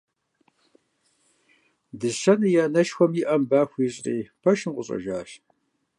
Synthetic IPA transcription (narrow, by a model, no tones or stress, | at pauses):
dɨɕɐnɨjaːnɐʃxʷɔmjɪʔɐmbaːxʷiːɕʼrḭːpʰɐʃɨmqʷʼʊɕʼɐ̰ʒaːɕ